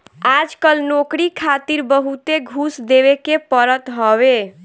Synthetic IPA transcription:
ad͡ʒkəlnokɾikʰat̪iɾbəɦut̪eɡʱusd̪eβekepəɾət̪ɦɔβe

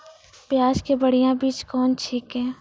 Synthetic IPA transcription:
pjaːd͡ʒkebəɽijãbiːt͡ʃkɔːnt͡ʃʰiːkɦɛ̃ː

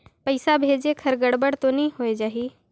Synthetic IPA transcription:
pəɪsabʱeːd͡ʒekʰɐɾɡəɽbəɽt̪onĩɦoːed͡ʒaːɦiː

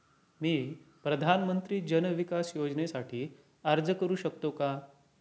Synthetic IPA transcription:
miːpɾəd̪ʱanmənt̪ɾiːd͡ʑənəʋikasjod͡ʑnesaʈʰiː | əɾd͡zəkəɾuːɕək̚t̪oka

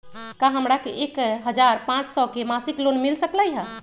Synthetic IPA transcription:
kaɦəmɾakeʔekɦəd͡ʒaɾpãt͡ʃsɔkemasiklonmilsəkləjɦə

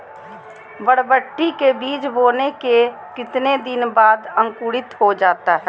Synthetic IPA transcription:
bəɽbəʈːikebiːt͡ʃboːneke | kɪt̪ned̪ɪnbaːd̪ə̃ŋkuːɽɪt̪ɦod͡ʒaːt̪aɦɛː

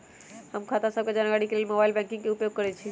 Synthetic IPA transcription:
həmkʰat̪asəb̚ked͡ʒanɡaɽikeleːlmobaːɪilbɛ̃ŋkĩŋkeupjoɡ̚kəɾɛt͡ʃʰi

